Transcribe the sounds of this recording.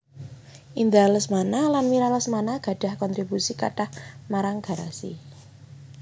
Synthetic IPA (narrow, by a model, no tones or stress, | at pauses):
ʔind̪aləsmanalanmiɾaləsmanaɡ̥ä̤ɖ̥a̤hkɔnt̪ɾibusikaʈahmaɾaŋɡ̥a̤ɾa̰sḭ